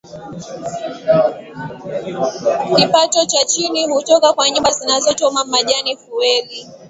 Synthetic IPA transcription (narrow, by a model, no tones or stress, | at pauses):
kipatɔt͡ʃat͡ʃiniɦutɔkakwaɲumbazinazɔtɔmamaʄanifuwɛli